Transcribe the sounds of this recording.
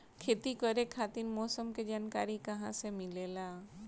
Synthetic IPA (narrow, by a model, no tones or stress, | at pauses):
kʰeːt̪ikəɾekʰaːt̪inmɔːsəmked͡ʒaːnkaːɾikɐɦãsemɪlelaː